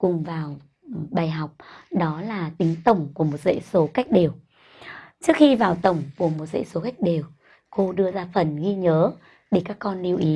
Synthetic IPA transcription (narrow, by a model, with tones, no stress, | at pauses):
kʊ˨˩ŋ͡mvaː˨˩w | ɓaː˨˩jɦa˨˩wk͡p̚ɗɔ˨˦laː˨˩t̪ï˨˦ŋ̟t̪ə˨˧˩wŋ͡mku˧˩əmo˨˩t̚zḛ˧˥so˨˦ka˦˥jk̟̚ɗe˨˩w | t͡ɕɨ˦˥ək̚xi˧vaː˨˩wt̪ə˨˧˩wŋ͡mku˧˩əmo˨˩t̚zḛ˧˥so˨˦ka˦˥jk̟̚ɗe˨˩w | ko˧ɗɨ˧əzaː˧fə˨˩nɣi˧ɲəː˨˦ | ɗe˧˩kaː˦˥kːɔ˧nːi˧əwʔi˨˦